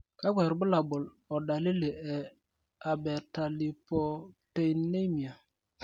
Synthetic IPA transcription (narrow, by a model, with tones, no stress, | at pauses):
ka˦kʷɛ˨ɾbʊ˦la˨bʊ˨l | ɔ˨ɗa˨li˦le˨ɛ˨ | a˨bɛ˨ta˨li˨pɔ˨te˦˨jne˦mi˨a˨